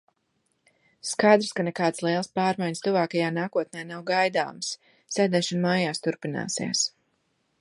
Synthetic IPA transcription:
skajd̪ɾskanekaːd̪slˠiɛlˠspaːɾmajɲst̪uvaːkajaːnaːkuɔt̪̚nʲɛjnawɡajd̪a̰ːms | sɛd̪ɛʃɔnmaːjaːst̪uɾpina̰ːsḭs

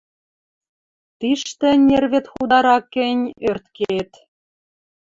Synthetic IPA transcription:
t̪iʃt̪ĕnʲerβet̪xud̪ɑɾɑkːɘ̆nʲørt̪keet̪

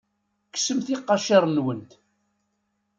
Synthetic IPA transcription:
ksəmθiqːɑʃiɾˤnwənt̪

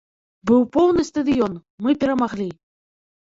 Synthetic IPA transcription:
bɨwpɔwnɨst̪ɐd̪ɨjɔnmɨpʲɛɾɐmaɣlʲi

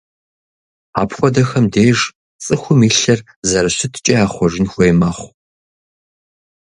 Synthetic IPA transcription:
a̰ːpxʷɔdɐxɐmdeːʒ | t͡sʼɨxʷʊmiːɬɐr | zɐɾɐɕɪtʰt͡ʃʼɐaːχʷɔʒɪnxʷeːmɐχʷ

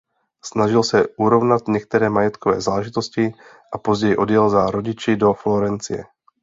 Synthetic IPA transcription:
snaʒɪlsɛʔuɾo̞vnat̪ɲɛk̚t̪ɛɾɛːmajɛt̪kʰovɛ̰ːzaːlɛʒɪt̪o̞scɪ | ʔapozɟɛjɪʔo̞djɛlzaɾoɟɪt͡ʃɪdo̞flo̞ɾɛnt͡sɪ̰jɛ̰

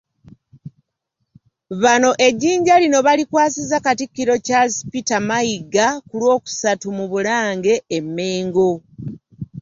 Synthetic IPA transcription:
βano̞ʔe̞ɟːiːɲɟalino̞βalikwaːsizakatikːiɾo̞casi̥pitamaiɡakulwo̞ːku̥satumuβulaːŋɡe̞ːmːe̞ːŋɡo̞

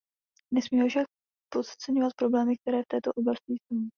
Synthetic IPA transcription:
nɛsmiːɦofʃak | pot̪t͡sɛɲovat̪̚pɾo̞blɛːmɪk̚t̪ɛɾɛːft̪ɛːt̪o̞ʔo̞blascɪso

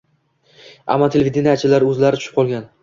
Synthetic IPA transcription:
a̰mːɒt̪ʰelʲevid̪enijat͡ʃʰɪlaɾɵzlaɾɪt͡ʃʰʊ̥ʃɪ̥p̚qʰɒlˠɡʲan

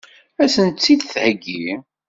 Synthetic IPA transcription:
æsənt͡sːid̪θhəɡːi

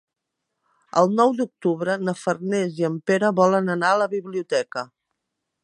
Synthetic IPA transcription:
əlˠnɔwd̪uk̚t̪uβɾənəfərnɛziəmpeɾəβɔlənənaələβiβliut̪ɛkə

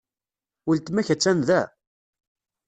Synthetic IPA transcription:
ult̪mæçæt͡sːænðæ

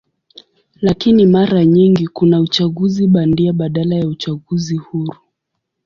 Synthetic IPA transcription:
lakinimaɾaɲiŋɡikunaut͡ʃaɣuziɓandiaɓaɗalajaut͡ʃaɠuzihuɾu

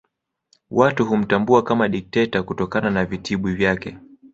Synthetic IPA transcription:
watuɦum̩tambuakamaɗik̚tɛtakutɔkananavitʰiɓivjakɛ

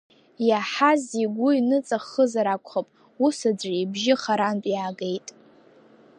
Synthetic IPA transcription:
jaħaziɡʷʊinɨt͡sʼaχəzaɾakʷʰʼχapʼ | usad͡zʷibʒɪχaɾanpʼjaːɡe̞jtʼ

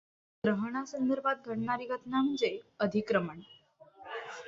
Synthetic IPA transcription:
ɡ̪ɾəɦɳ̃asənd̪əɾbad̪̚ɡʱəɽɳaɾiɡət̪naməɳd͡zeəd̪ʱikɾəməɳ

